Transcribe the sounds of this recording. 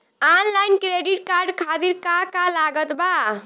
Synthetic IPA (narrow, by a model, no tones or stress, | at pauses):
anlajnkɾeɖiʈ̚kaɾɖkʰat̪iɾkakalaɡət̪ba